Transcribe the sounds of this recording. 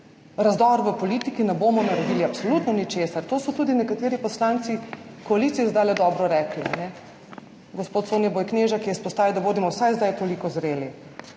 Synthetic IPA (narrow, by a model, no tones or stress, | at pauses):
ɾazd̪ɔɾʋəpɔlit̪ikinɛboːmɔnaɾɛd̪iːliapsolut̪nɔnit͡ʃeːsaɾt̪oːsɔt̪uːd̪inɛkat̪eːɾipɔslant̪sikɔalit̪siɛzd̪ajlɛd̪ɔbɾɔɾɛːklia̰nɛ | ɡɔspoːt̪soːnjɛbojkneʒakijɛispɔst̪aːʋiwd̪aʋoːd̪imɔwsajzd̪ajt̪olikɔzɾeːli